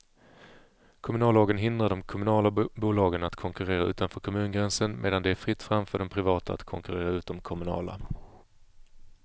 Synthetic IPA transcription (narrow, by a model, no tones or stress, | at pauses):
kʰɔmɵnɑːloːɡənɦɪnd̪ɾaɖɔmkʰɔmɵnɑːlabuːlɑːɡənat̪kʰɔŋkɵɾeːɾaʉ̟ːt̪anfœːɾkʰɔmʉ̟ːnɡɾɛnsənmʔḛːd̪and̪ɛæɾfɾɪt̪ːfɾamfœːɖɔmpʰɾɪvɑːt̪ʰaa̰t̪kʰɔŋkɵɾeːɾaʉ̟ːt̪ːɔmkʰɔmɵnɑ̰ːla̰